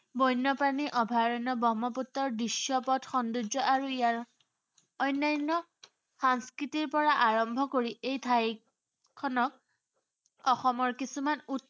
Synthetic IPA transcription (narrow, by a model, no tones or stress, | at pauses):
bɔjnːɔpaniʔɔbʱaɹɔnɔbɔmɔputːɔɹdisːɔpɔtxɔndud͡ʒɔʔaɹuijaɹ | ɔjnːajnːɔ | xaŋskɹitiɹpɔɹaʔaɹɔmbʱɔkoɹiʔejtʰaj | kʰːɔnɔk̚ | ɔxɔmɔɹkisumanut̚